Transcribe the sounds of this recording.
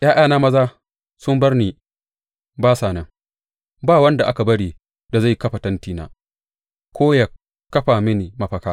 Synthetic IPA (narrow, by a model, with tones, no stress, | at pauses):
j̰ʔaː˦ʔaː˦˨naː˦mɐ˦zaː˦ | sʊ˦mbɐ˦rniː˨ | baː˦saː˨nɐ˦ŋ | baː˦˨wɐ˦nda˨ʔa˦ka˨bɐ˦ɽiː˨ | da˨za˦˨jkɐ˦ɸa˨tɐ˦ntiː˨na̰ː˦ | kʷoː˦jɐ˨ | kːɐ˦ɸaː˨mɪ˦ni˨mɐ˦ɸɐ˨kaː˦